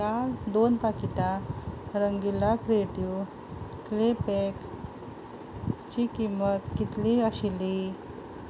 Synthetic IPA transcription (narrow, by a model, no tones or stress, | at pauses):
ald̪onpakit̪aɾəŋɡilakɾeʈju | klepek | t͡ɕikimət̪kit̪liəɕili